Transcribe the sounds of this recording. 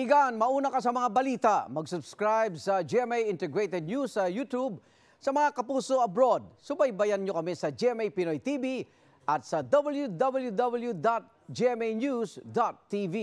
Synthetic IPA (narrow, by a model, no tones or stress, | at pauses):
ʔɪɡanmɐʔuːnɐkɐs̬ɐmɐŋabɐliːt̪amɐɡsʊbskɹajbsɐd͡ʒiɛmɛjɪnt̪ɛɡɹejt̪ɛd̪̚nusːɐjut̪ub̚ | sɐmɐŋakɐpuːso̞ʔɐbɾo̞d̪̚sʊbajbɐjanɲokɐmɛsɐd͡ʒiɛmɛjpɪnojt̪ibi | ʔɐt̪̚sɐd̪ɐbɐljud̪ɐbɐljud̪ɐbɐljud̪at̪̚ | d͡ʒiɛmejnjusd̪at̪ːivi